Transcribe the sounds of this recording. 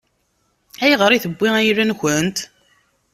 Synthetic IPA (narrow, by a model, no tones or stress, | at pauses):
æjʁəɾˤiθəbːiæjɾænçənt̪